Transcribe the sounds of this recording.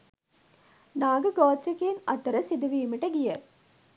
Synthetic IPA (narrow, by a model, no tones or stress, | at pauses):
naːɡɐɡoːt̪ɾikːeːnɐt̪ːɐɾɐsɪd̪ɯʋiːmɪʈːɐɡɪjɐ